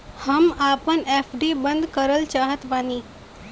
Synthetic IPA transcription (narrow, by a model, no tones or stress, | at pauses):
həmapəɳefɖibənd̪kəɾəlt͡ʃaɦət̪ʋani